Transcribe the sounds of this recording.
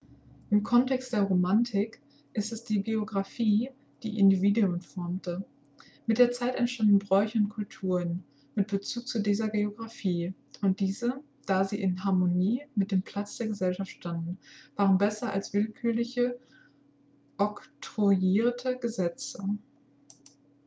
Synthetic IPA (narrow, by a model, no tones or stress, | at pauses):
ʔɪmkʰɔntʰɛkst̚d̥eːɐʁomantʰɪk | ʔɪstɛsd̥iːɡeoɡʁafiː | d̥ḭːʔɪ̰ndiviːduʊnfɔɐmtə | mɪt̚d̥eːɐt͡saɪtɛntʃtandn̩bʁɔʏçəʊnt̚kʰʊltʰuːʁən | mɪt̚b̥ət͡suːk̚t͡sudiːzɐɡeoɡʁafiː | ʊnt̚d̥iːzə | d̥aːziːʔɪnɦaɐmoniːmɪt̚d̥eːmpʰl̥at͡sd̥eːɐɡəzɛlʃaftʃtandn̩v̥aːʁ̞ənbɛsɐʔa̰lsv̥ɪlkʰyːɐlɪçə | ʔɔktʁuiːɐtʰəɡəzɛt͡sə